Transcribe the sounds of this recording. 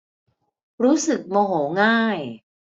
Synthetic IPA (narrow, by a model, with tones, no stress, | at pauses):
ɾuː˦˥sɯ˨˩k̚moː˧ɦoː˩˦ŋaː˥˩j